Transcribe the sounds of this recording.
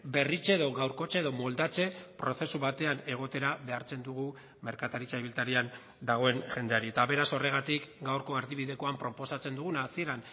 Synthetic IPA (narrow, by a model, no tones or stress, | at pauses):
be̞rit͡seːðo̞ɣawɾko̞t͡ʃeːðo̞mo̞ld̪at͡se̞pɾo̞θe̞suβat̪e̞ane̞ɣ̞o̞t̪e̞ɾaβe̞aɾt͡se̞nd̪uɣu | me̞ɾkat̪aɾit͡saiβilt̪aɾian | d̪aɣ̞o̞e̞nʝe̞nd̪e̞aɾie̞t̪aβe̞ɾaso̞re̞ɣ̞at̪ikɡawɾko̞eɾðiβiðe̞ko̞ampɾo̞po̞sat͡se̞nd̪uɣ̞unaːsie̞ɾan